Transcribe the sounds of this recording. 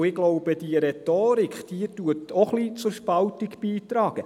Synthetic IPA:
ɪɡ̥loʊb̥əd̥iəɾɛtoːɾikd̥iətuətʰɔχlit͡sʊɾʃpɑltiɡb̥iːt̪ɾɑːɡ̥ə

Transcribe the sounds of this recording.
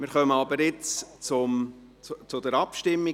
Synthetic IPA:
mɪɾχœməɑbəɾɪt͡st͡sʊm | t͡sʊd̪əɾɑpʃtɪmːi

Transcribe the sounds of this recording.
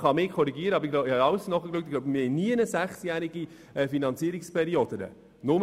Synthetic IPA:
χɑmɪkʰɔɾiɡiəɾəɑbəɾɡ̥lobhɑɑwsnɔχəklyk̚tɡloʊbəmɪhɛɪniənəsæχsjæɾiɡ̥i | ɛfinɑnt͡siəɾikspʰɛɾiod̥̪ənə̰ | nʊm

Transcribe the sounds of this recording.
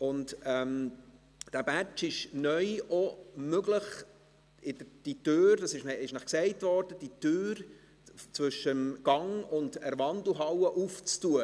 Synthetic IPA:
ʊntɛm | d̥æːbæt͡ʃɪʃnœʏɔmøɡləχ | ɪdəd̥itøːɾdɑsɪʃnɪʃnæχksɛɪtvɔːɾd̥əd̥itøːɾ | t͡svʏʃəmɡ̥ɑŋʊndəɾvɑndl̩ɦɑwəʔuft͡stuə

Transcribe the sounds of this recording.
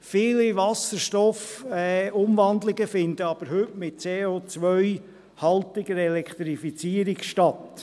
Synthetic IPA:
fiːliʋɑsəɾʃtɔfɛʊmʋɑnd̪lɪɡəfɪnd̪əɑb̥əɾɦɵtmɪt̚t͡seːoːt͡sʋœɥ | hɑltɪɡəɾɛlɛkʰt̪ɾifit͡siəɾɪkʃtɑt

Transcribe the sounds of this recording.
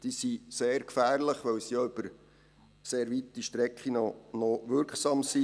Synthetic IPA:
d̥isiseːɾkfæːɾləχʋɛwsijɑʏb̥əɾ | seːɾvitːiʃtɾɛkχinɔnɔʋʏɾkχsɑmsi

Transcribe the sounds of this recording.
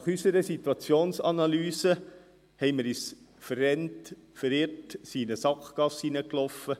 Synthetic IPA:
nɑχysəɾəsit̪wɑt͡sjoːnsɑnɑlyːsə | hɛɪməɾyːs | fərːɛnt | fəɾɪrtsinəsɑkχkɑsinəklɔfːə

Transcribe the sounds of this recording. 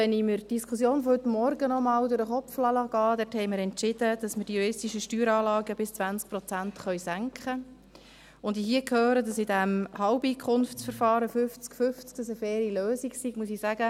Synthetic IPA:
ɛniməɾd̥iskʰʊsjoːnfɔhʏt̪mɔɾɡənɔmɑːldʊɾəχɔpflɑlɑɡɑːd̪ɛthɛɪməɾɛntt͡ʃɪd̥əd̥ɑsmədijuɾɪstiʃəʃtyːɾɑːlɑːɡəb̥ɪst͡svænt͡sk̚pɾɔt͡sænt̪χœʏsæŋkχə | ʊndiɦiəkʰhøːɾədɑsidæmhɑʊbiːkʰχʊnft͡sfəɾfɑːɾəfʏft͡skfʏft͡sk̚d̥ɑsəfɛːɾiløːsiɡsiɡ̥muəsisæɡə

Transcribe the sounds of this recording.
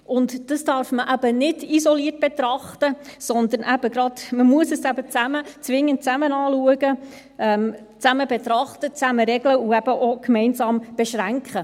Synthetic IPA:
ʊndd̥ɑsd̥ɑːɾfməʔæb̥ənɪdisɔliərt̚b̥et̪ɾɑχtəsɔnd̪ənʔæb̥əɡɾɑdməmuəsəsæb̥ət͡sæmət͡sʋɪŋːənt̚t͡sæmənɑːluəɡə | ɛm | t͡sæməbet̪ɾɑχtət͡sæməɾɛɡləuæb̥əʔokmɛɪnsɑːmb̥eʃɾæŋkχə

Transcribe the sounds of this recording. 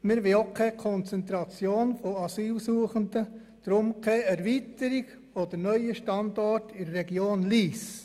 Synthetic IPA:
mɪɾʋɪlokʰɛkʰɔnt͡sɛnt̪ɾɑt͡sjoːnfoɑsyːlsuəχəndə | d̥ɾʊmkʰɛɛɾvitəɾiɡ | od̥əɾnœʏəʃtɑndɔrtɪɾːɛɡjoːnliːs

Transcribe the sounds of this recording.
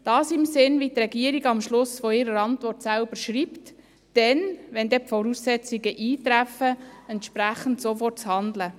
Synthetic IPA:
d̥ɑːsɪmsɪnʋitrɛɡiəɾiɡɑmʃlʊsfɔɪɾəɾɑntʋɔrtsælb̥əɾʃɾiːpt | d̥ɛnʋɛnd̪ɛpfɔɾuːsːɛt͡siɡəʔiːt̪ɾæfəɛntʃpɾæχən̩tsofɔrtt͡shɑnd̪lə

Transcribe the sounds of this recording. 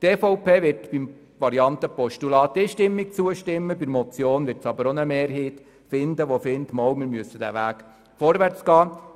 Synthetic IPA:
t̪eːfɔʊpʰeːʋɪɾtb̥im | ʋɑɾiɑnt̪əpɔʃtulɑːt̪ːɪʃtɪmːik̚t͡suəʃtɪmːəbɪɾmɔt͡sjoːnʋɪɾtsɑbəɾɔnəmeːɾɦiːt̪ | fɪnd̪əʋofɪnt̪mɔwmɪɾmyəsːəd̥̪æ̰ʋæːk | fɔɾʋært͡sɡ̥ɑː

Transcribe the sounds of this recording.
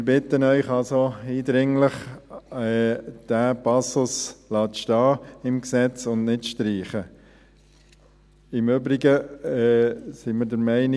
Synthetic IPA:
mɪɾbɪtənœʏχɑlsoiːdɾɪŋləχɛd̥æpɑsʊslɑːtʃtɑːɪmksɛt͡sʊndnɪtʃtɾiːχə | ɪmøbɾiɡə | siməɾdəɾmɛɪnɪ

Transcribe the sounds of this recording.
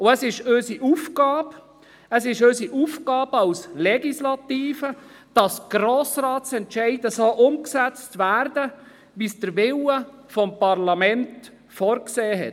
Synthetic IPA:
ʊəsɪʃøsiʔufɡɑːb | əsɪʃøsiʔufɡɑːbəɑwslɛɡislɑtiːfə | d̥ɑsɡ̥ɾoːsɾɑːtsɛntʃɛɪdəsoʔʊmksɛt͡stʋæːrdə | ʋisd̥əɾʋɪwəfɔmpɑrlɑmɛnt | fɔːɾkseːɦɛ̰t

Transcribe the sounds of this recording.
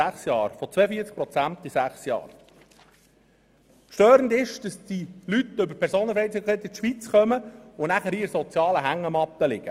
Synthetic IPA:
æχsjɑːɾfɔt͡sʋɛːəfiːt͡sk̚pɾɔt͡sænt̪isæχsjɑ̰ːɾ | ʃtœːɾəndɪʃd̥ɑsd̥ilyt̪ʏbəɾpʰɛɾsoːnənfɾɛɪt͡sikʰɛt̪ɪtʃʋit͡sχœməʊnæχəɾiːɾsɔt͡sjɑːləɦæŋːəmɑtːəlɪɡ̥ə

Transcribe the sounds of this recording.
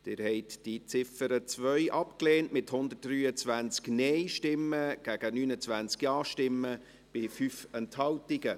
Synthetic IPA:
d̥ɪɾhɛɪtd̥it͡sɪfəɾət͡svœʏʔɑpkleːntmɪthʊnd̪ətːryːət͡svænt͡sknɛɪʃtɪmːəɡ̥æɡ̥ənyːnət͡svænt͡skjɑːʃtɪmːə | b̥ɪfyfɛnthɑltɪɡə

